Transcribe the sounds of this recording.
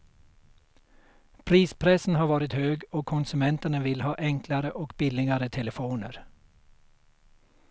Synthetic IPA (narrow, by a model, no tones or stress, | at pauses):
pʰɾiːspʰɾɛsn̩hɑːʋɑːɾɪt̪høːɡoːkʰʊnsʉmɛnt̪ənəʋɪlhɑːʔɛŋkʰlaɾəʔɔkbɪlɪɡaɾət̪ʰɛləfuːnə̰ɾ